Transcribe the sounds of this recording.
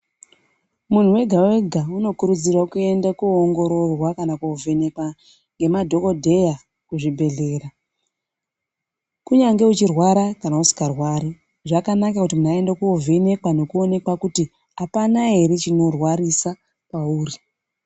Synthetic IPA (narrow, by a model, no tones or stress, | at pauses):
mun̤uwe̞ɡʱawe̞ɡʱauno̞kuɾud͡zirwakue̞ndakuoŋɡo̞ɾo̞rwakanakuovʱe̞ne̞kwa | ŋɡe̞madʱo̞kodʱe̞ja | kuʐibʱe̞ɮe̞ːɾa | kuɲaŋɡe̞ut͡ʃirwaɾakanausi̥karwaːɾi | ʐakanakakutimun̤uae̞ndekuove̞ne̞kwano̞kuo̞ne̞kwakuti | apanaɦe̞ɾe̞t͡ʃino̞rwarisa | pauːri